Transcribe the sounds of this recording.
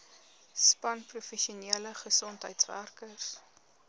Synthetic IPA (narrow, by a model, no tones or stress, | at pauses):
spɐnprufɛʃiuniələχəsɔntɦəjtsvæ̰rkərs